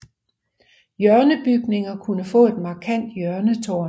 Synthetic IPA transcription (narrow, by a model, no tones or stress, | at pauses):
jœɐnəb̥yɡ̥ne̝ŋɐkʰunəfɔ̰̽ːe̝d̥mɑ̈ːkʰæn̰d̥jœɐnət͡sʰo̝ː